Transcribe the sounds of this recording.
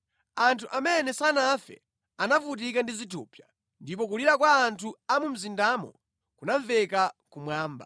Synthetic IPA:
antʰuʔamɛnɛsanafɛ̰ | anafut̬ikandizitʰuːpja | ndip̬ɔk̬uliɾakwaːntʰuamum̩zindaːmɔ̰ | kunaɱvɛkakumwaːmba̰

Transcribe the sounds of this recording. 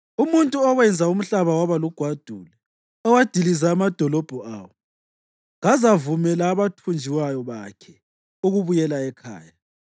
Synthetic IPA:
umuntʼuɔɣwɛnd͡zʱaum̩ɬaβawaβaluɡ̥ʱwad̥ʱuːlɛ | ɔwad̥ʱilizaːmad̥ʱɔlɔb̥ʱɔaːwɔ | ŋɣazavumɛlaːβatʰund͡ʒʱiwajɔβakʰɛ | uɣuβujɛlaɛkʰa̰ːja

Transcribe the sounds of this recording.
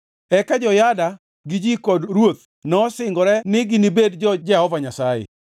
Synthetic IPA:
ɛkad͡ʒɔjada | ɡɪd͡ʒikɔdɾwot̪̚ | nɔsɪŋɡɔɾɛnɪɡɪnibedd͡ʒɔd͡ʒɛhɔvaɲasajḛ

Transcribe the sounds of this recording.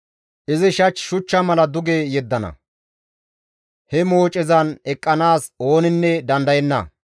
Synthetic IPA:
ʔɪzɪʃɐt͡ʃːʃʊt͡ʃːɐmɐlɐd̪ʊɡejɛd̪ːɐnɐ̰ | hɛmo̞ːt͡ʃʼːɪzɐnɛkʼːɐnaːso̞ːnɪnːɛd̪ɐnd̪ɐjɛnːɐ̰

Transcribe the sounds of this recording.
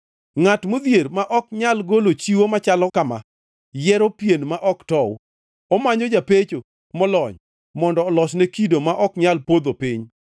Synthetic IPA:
ŋatmod̪jeɾmaʔɔk̚ɲalɡolot͡ʃiwomat͡ʃalɔkama̰ | jɛɾopjenmaʔɔktɔw | ɔmaɲɔd͡ʒapet͡ʃo | mɔlɔɲ | mɔndɔːlɔsnɛkidomaʔɔkɲalpod̪opiɲ

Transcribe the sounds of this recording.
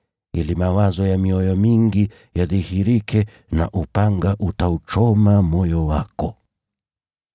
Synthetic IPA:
ilimawazɔjamiɔjɔmiŋɡi | jaðihiɾikʰɛ | na̰ʔupaŋɡaʔutaut͡ʃɔmamɔjɔwakɔ

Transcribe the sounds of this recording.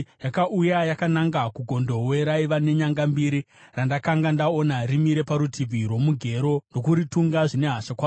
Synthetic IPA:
jakaʔujajakanaŋɡakuɡʱo̞ndo̞we̞ɾaiʋane̞ɲaŋɡambiːɾi | randakaŋɡandao̞narimiɾe̞paɾutʰibʱirwo̞muɡʱe̞ɾo̞no̞kuɾituŋɡaʐine̞ɦaʃakwaː

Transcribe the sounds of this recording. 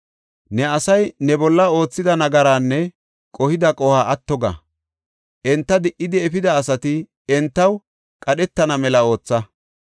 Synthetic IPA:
nɛɐsɐjnɛbɔlːɐo̞ːt͡sːɪd̪ɐnɐɡɐɾaːnːɛ | kʼɔhɪd̪ɐkʼɔhaːʔɐt̪ːɔɡɐ̰ | ʔɛnt̪ːɐd̪ɪʔɪd̪ɪɛfɪd̪ɐːsɐt̪ɪ | ɛnt̪ːɐw | kʼɐɗɛt̪ːɐnɐmɛlɐo̞ːt͡sːɐ

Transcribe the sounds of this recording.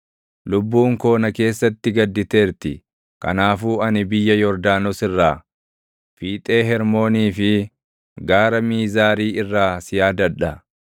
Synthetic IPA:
lʊbːuːŋko̞ːnɐke̞ːsːɐt̪ːɪɡɐd̪ːɪt̪e̞ːɾt̪ɪ | kɐ̰naːfuːɐnɪbɪjːɐjɔɾd̪aːnɔsɪrːaː | fiːt̪ʼe̞ːɦɛɾmo̞ːniːfɪ | ɡaːɾɐmiːzaːɾiːɪrːaːsɪjaːd̪ɐᶑɐ

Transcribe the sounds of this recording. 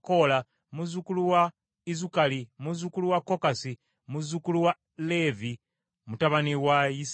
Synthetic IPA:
kola | muzukuluwa | izukalimuzukuluwakːokasi | muzukuluwa | le̞vi | mutaβaniwajis

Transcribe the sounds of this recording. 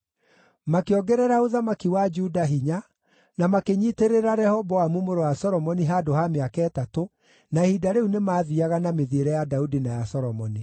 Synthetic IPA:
makeɔɡɛɾɛɾaoðamakiwad͡ʒuːdaɦiɲa | namakeɲiːteɾeɾaɾɛhɔbɔwamumoɾowasɔɾɔmɔniɦadoɦameakaɛtato | nahidaɾeunemaːðiaɣanameðieɾɛjadaudinajasɔɾɔmɔni

